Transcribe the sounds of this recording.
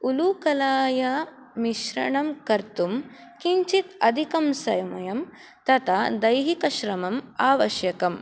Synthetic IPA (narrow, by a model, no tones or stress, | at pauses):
ulukɐlaːja | miʃɾɐ̰ɳɐmkɐɾt̪um | kiɲt͡ʃit̪ɐd̪ʱikɐmsɐ̰jɐmɐjɐm | t̪ɐt̪ʰad̪ɐjɦikɐʃɾɐmɐmaːʋɐʃjɐkɐm